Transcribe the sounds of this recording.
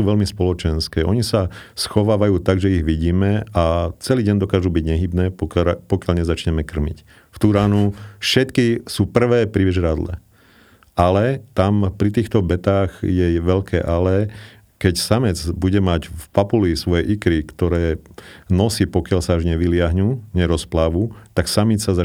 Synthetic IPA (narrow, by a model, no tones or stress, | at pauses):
uːʋɛʎmispɔlɔt͡ʃɛnskɛːʔɔɲisasxɔʋaːʋajuːt̪aɡʒɛiɣʋiɟiːmɛat͡sɛliːɟɛnd̪ɔkaːʒuːbiɟɲɛɦiːbnɛːpɔpɔkɪaʎɲɛzat͡ʃɲɛmɛkr̩mḭc | ft̪uɾaːnufʃɛt̪kisuːpr̩ʋɛːpɾiʋiʒɾad̪lɛ̰ | ʔalɛt̪ampɾit̪iːxt̪ɔbɛt̪aːɣjɛʋɛʎkʰɛ̰ːʔalɛ | kɛcsamɛt͡sbuɟɛmaɟfpapulisʋɔjɛʔikɾikt̪ɔɾɛːnɔsiːpɔkɪaʎsaːʒɲɛʋilɪaɦɲuːɲɛɾɔsplaːʋuːt̪aksamit͡ssaza